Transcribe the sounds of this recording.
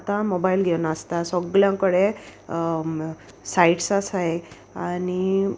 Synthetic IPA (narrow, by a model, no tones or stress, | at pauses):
t̪amɔbailɡʱewnaəst̪asɔɡljãŋkəɽe | saiʈsasaj | ani